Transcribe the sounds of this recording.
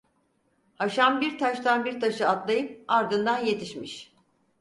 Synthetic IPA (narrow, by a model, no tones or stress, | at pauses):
haʃambiɾt̪ʰaʃt̪ʰanbiɾt̪ʰaʃɯat̪lˠajɯp̚aɾd̪ɯnd̪anje̞t̪ʰiʃmiʃ